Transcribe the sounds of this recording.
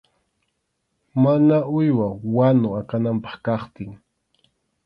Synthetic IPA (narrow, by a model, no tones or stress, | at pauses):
manaʊjwawanʊakanampɑ̥χkɑχt̪ɪŋ